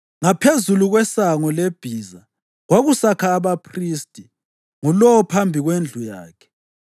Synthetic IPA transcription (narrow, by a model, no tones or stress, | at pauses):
ŋapʰezuluɣwɛsaŋɔleb̥ʱiːza | ɣwaɣusakʰaːβapʰriːstʼi | ŋulɔwɔpʰambʱiɣwend͡ɮʱujaːkʰɛ̥